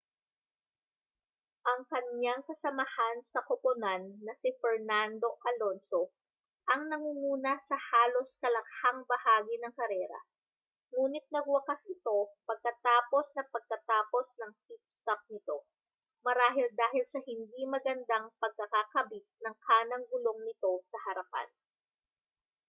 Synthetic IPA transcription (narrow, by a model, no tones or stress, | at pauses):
ʔɐŋkɐnɲaŋkɐsɐmɐhansɐkopʊnanːɐsɪfɛɹnand̪o̞ʔɐlo̞nso | ʔɐŋnɐŋuŋuːnɐsɐhaːlo̞skɐlɐk̚haŋbɐhaːɡɪnɐŋkɐɾɛːɾɐ̰ | ŋuːnɪt̪̚nɐɡ̚wɐkɐsʔɪt̪o̞pɐɡ̚kɐt̪aːpo̞snɐpɐɡ̚kɐt̪aːpo̞snɐŋpit̪̚st̪ɐp̚nɪt̪o̞ | mɐɾaːɦɪld̪aːɦɪlsɐhɪnd̪imɐɡɐnd̪aŋpɐɡ̚kɐkakɐbit̪̚nɐŋkʰaːnɐŋɡʊlo̞ŋnɪt̪o̞sɐhɐɾɐpa̰n